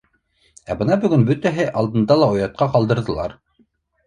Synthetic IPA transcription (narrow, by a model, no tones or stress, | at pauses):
æbɤ̆nɑbɵ̆ɡɵnbɵt̪æɦɘʔɑlˠd̪ɤ̆nd̪ɑlˠɑŏjɑt̪̚qɑqɑlˠd̪ɤ̆ɾðɤ̆lˠɑɾ